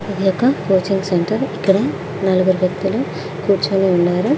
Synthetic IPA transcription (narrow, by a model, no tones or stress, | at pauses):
id̪ijɔkːɐkoːt͡ʃiŋɡseɳʈɐɾikːɐɽɐ | nɐluɡuɾiɡɐt̪ːulu | kuːɾt͡ʃuneːuɳɖaːɾu